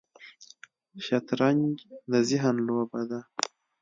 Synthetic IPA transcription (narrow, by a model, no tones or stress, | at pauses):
ʃat̪ɾaŋɡd̪əzɪɦanloːbad̪a